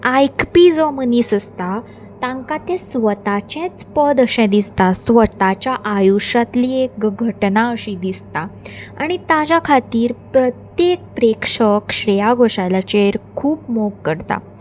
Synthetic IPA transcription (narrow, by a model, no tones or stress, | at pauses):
ajkpid͡zɔməniːsəst̪a | t̪ãŋkat̪ẽsʋət̪at͡ɕɛ̃t͡spəd̪əɕɛ̃d̪ist̪asʋət̪at͡ɕjaʔajuʂat̪liekɡʱəʈnaəɕid̪ist̪aa̰ɽ̃it̪ad͡ʑjakʰat̪iːɾpɾət̪jek̚pɾekʂəkɕɾɛjaɡʱoɕajlat͡ɕeɾkʰuːpmoɡkəɾt̪a̰